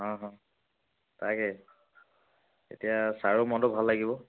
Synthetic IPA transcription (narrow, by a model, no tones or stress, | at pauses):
ɦãɦã | tʰakɛ | ḛtijasaɹumɔdɔbʱalːaɡibɔ